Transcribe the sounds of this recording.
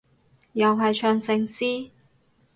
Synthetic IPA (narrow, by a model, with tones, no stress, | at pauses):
jɐ˨wɦɐ˨jt͡ʃʰœː˧ŋsɪ˧ŋsiː˥